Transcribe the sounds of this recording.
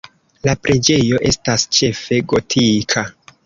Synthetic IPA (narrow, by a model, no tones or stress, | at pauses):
lapɾe̞d͡ʒe̞jo̞ʔe̞stast͡ʃe̞fe̞ɡo̞tʰikʰa